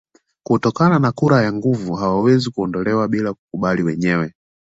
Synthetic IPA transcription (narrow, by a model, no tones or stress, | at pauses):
kutɔkananakuɾajaŋɡuvuɦawawɛzikuɔndɔlɛwaɓilaku̥kuɓaliwɛɲɛwɛ